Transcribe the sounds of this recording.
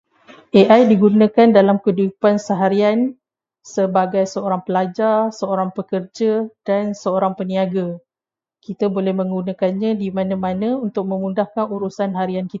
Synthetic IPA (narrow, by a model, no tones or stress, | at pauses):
ʔeʔajdiɡunãkandalamkədupansəɦaɾian | səbaɡajsəoɾaŋpəlad͡ʒarsəoɾaŋpəkərd͡ʒəd̥ansəoɾaŋpəniaɡa | kit̪abolɛhmə̃ŋɡunãkanɲãdimãnãmãnə̃unt̪ʊk̚mə̃mundahkanuɾusanɦaɾiankit̪